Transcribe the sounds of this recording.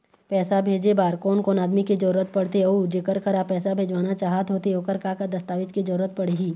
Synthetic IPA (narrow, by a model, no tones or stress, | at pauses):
pɛːsabʱeːd͡ʒebaːɾkɔːnkɔːnaːd̪miked͡ʒəɾuɾət̪̚pɐɽt̪eod͡ʒekəɾkəɾapɛːsabʱeːd͡ʒʋaːnat͡ʃaːɦət̪ɦoːt̪eoːkəɾkakad̪ɐst̪aːʋɪt̪ked͡ʒɐɾuɾət̪̚pɐɽ̤iɡiː